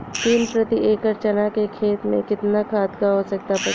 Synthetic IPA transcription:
t̪iːnpɾɐt̪ieːkəɾt͡ʃənakekʰeːt̪mḛ̃kɪt̪nakʰaːd̪kaɦosɐk̚t̪apɐ

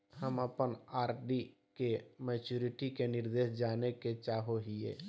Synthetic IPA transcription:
həməpənaːɾɖi | kemɛːt͡ʃuːɾɪʈikenɪɾd̪eːʃd͡ʒaːneket͡ʃaːɦoɦiḛː

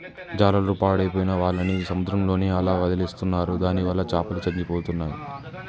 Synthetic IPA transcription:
d͡ʒaːlɐlɐɾupaːɽɐjpoːjinɐʋaːɭːɐnisɐmud̪ɾɐmlo̞ːniɐlaːʋɐd̪ɐliːst̪unːaːɾud̪aːniʋɐlːɐt͡ʃaːpɐlut͡ʃɐɲd͡ʒipoːt̪unːaːjḭ

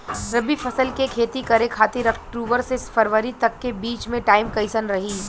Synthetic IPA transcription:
ɾɐbifʰɐsəlkekʰeːt̪ikɐɾẽkʰaːt̪eɾɐkʰʈɾuːʋəɾsesfɐɾʋəɾit̪ɐkːebiːt͡ʃmẽʈaːɪmkɐɪsənɾɐɦiː

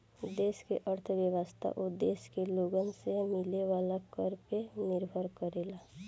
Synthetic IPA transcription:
d̪eːskeʔəɾt̪ʰʋjəʋəst̪ʰa̰ʔod̪eːskeloːɡənsemɪleʋaːlakəɾpenɪɾbʱəɾkəɾeːlaː

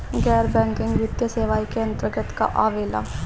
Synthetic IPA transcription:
ɡɛːɾbɛ̃ːŋkɪ̃ŋɡʋɪt̪jaseːʋaːikeɐ̃nt̪ɾəɡət̪ka̰ʔaːʋeːla̰ː

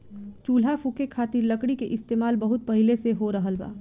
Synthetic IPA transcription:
t͡ʃuːl̤afukekʰaːt̪ɪɾləkɽikeʔɪst̪eːmaːlbɐɦʊt̪̚pɐɦɪleseɦoɾɐɦəlba̰ː

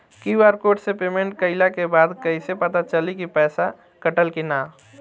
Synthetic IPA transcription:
kiwaɾkoːʈsepemẽɳʈ̚kəɪlakebaːd̪kəɪsepət̪at͡ʃəlikipɛːsa | kəʈəlkinaː

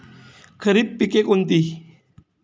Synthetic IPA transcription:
kʰəɾib̚pːikekunt̪i

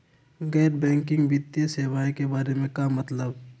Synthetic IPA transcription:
ɡɛːɾbɛ̃ːŋkɪ̃ŋɡʋit̪ijəseːʋaːẽkebaːɾemẽkamːɐt̪ləb

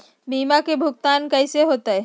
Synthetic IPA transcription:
biːmakebʱʊɡ̚t̪aːnkɐɪseɦoːt̪eɛ

